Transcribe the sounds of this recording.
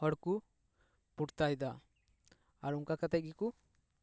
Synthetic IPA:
ɔɽku | puʈt̪ajd̪a | aɾuŋkakət̪ɛɡiku

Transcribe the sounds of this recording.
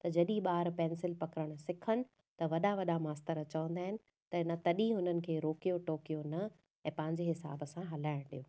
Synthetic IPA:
t̪ɐd͡ʑɐɗĩɓaːɾpɛ̃ːnsɪlpɐkɾəɽ̃ʊsɪkʰənɪ̆ | t̪ɐʋɐɗaʋɐɗamaːst̪əɾət͡ɕɐʋə̃nd̪aːɦɪnɪ̆ | t̪ɐɪnat̪ɐɗĩɦʊn̤ənɪ̆kʰeːɾoːkijoʈoːkijonɐ | ɛ̃ːpɐ̃ɦɪ̃ɲd͡ʑeɦɪsa̰ːbəsãɦɐlaːɪɽ̃ɗijoː

